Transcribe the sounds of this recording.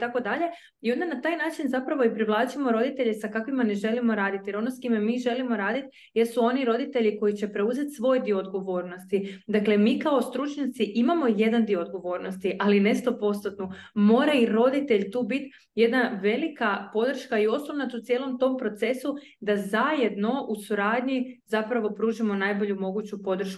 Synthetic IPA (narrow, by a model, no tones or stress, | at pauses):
it̪ako̞d̪aʎe̞ | io̞nd̪anat̪aːjnaːt͡ʃinzapɾaʋo̞ipɾiʋlˠaːt͡ʃimo̞ɾo̞d̪it̪e̞ʎe̞sakakʋimane̞ʒe̞limo̞ɾaːd̪it̪jeɾo̞noskimemiːʒe̞limo̞ɾaːd̪it̪ | jesuo̞niɾo̞d̪it̪e̞ʎiko̞jit͡ɕe̞pɾe̞uze̞t̪sʋo̞ːjd̪ioːd̪ɡo̞ʋo̞ːɾno̞st̪id̪akle̞miːkao̞st̪ɾut͡ʃɲat̪siʔimamo̞je̞d̪and̪io̞ːd̪̚ɡo̞ʋo̞ːɾno̞st̪iʔaline̞ʃt̪o̞po̞st̪at̪numo̞ːɾaiɾo̞d̪it̪e̞ʎt̪uːbit̪ | je̞d̪naʋe̞likapo̞d̪r̩ʃkaio̞snoʋnat̪ut̪sje̞ːlˠo̞mt̪o̞mpɾo̞t̪se̞su | d̪azaje̞d̪no̞ʔusuɾaːd̪ɲizapɾaʋo̞pɾuːʒimo̞najbo̞ʎumo̞ɡut͡ɕupo̞d̪r̩ʃk